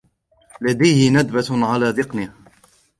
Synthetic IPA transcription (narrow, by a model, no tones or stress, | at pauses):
lad̪ajhɪnad̪bat̪ʕalaːd̪ɪqniːh